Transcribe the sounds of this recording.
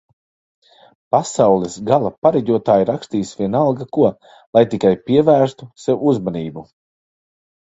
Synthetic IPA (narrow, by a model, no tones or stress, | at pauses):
pasawlˠɛsɡalˠapaɾɛɟʲuɔt̪aːjiɾakst̪iːsvʲiɛnalˠɡakuɔ | lˠajt̪ikajpiɛvæːɾst̪usewuuzmaniːbu